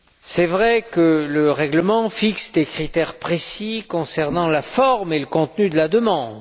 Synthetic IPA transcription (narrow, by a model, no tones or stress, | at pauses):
sɛvʁɛkələʁɛɡləmɑ̃fiksd̪ekχit̪ɛʁpχesikɔ̃sɛʁnɑ̃lafɔʁmeləkɔ̃t̪nyd̪əlad̪əmɑ̃d̪